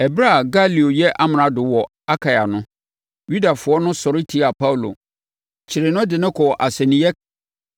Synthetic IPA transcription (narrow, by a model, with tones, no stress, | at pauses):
ɛ˨bɾa˦˨ɡa˦li˨o˨jɛ˦ʔa˦m˨ã˨dʊ˨wɔ˨ | a˦kʰa˨ja˨nʊ̃˦ | ɥu˦da˨fʊ˨ɔ˦nʊ̃˦sɔ˨ɾɪ˦tʰi˦a˨pa˦u˨lo̰˨ | t͡ɕʰɪ˨ɾɪ˨nʊ̃˦dɪ˨nʊ̃˦kʰɔ˨ʔa˨sɛ̃˨nĩ˨˦jɛ˦